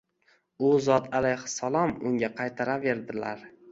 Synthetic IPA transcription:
ʊzɒt̪ʰalajhʊ̥salˠɒmʊŋɡʲaqʰɑjt̪ʰaɾave̞ɾd̪ɪla̰ɾ

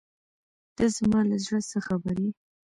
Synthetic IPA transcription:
d̪̥əzmɑlazɽəsəxabaɾi

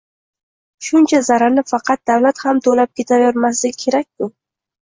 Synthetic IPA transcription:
ʃʊnt͡ʃʰazaɾanɪfɑqɑt̪̚d̪̥awlat̪hamt̪ʰolap̚kʲʰe̞t̪ʰavjoɾmas̬lɪkʲʰe̞ɾak̚ʲtʊ

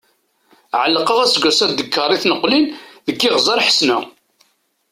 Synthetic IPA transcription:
ʕəlːqəʁæsɡʷæsæd̪ːəkʰːəɾˤiθnəqːlinðəkːɪʁzɑɾħə̥snæ

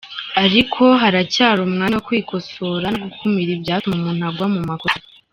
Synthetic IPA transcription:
aɾikʰo̞ɦaɾacaːɾumŋaːwokwiːko̞so̞ːɾanoɡukʰumiɾibjaːtumumuːn̥uaɡwamumakos

